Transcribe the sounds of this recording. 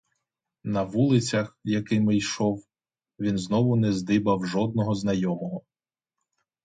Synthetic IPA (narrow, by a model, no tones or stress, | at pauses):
nɐʋulˠɪt͡sʲɐxjɐkɪmɪjʃɔw | ʋʲinznɔʋʊnɛzd̪ɪbɐwʒɔd̪̚nɔɦɔznɐjɔmɔɦɔ